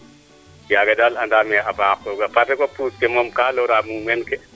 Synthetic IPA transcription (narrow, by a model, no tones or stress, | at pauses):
jaɡadalandamɛabaːkːɔɡapatɛkɔpuskɛmɔmkaːlɔɾamuwɛnkɛ